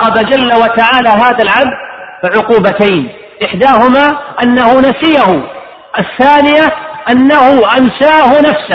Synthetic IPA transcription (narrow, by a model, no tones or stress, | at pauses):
ɑbad͡ʒalːawat̪aʕaːlaɦaːðalʕab̚d̪̚bɪʕʊquːbat̪ajn | ʔɪħd̪aːhʊmaːʔanːahʊnasɪjahʊ | ʔaθːaːnɪjaʔanːahʊʔansaːhʊnafsa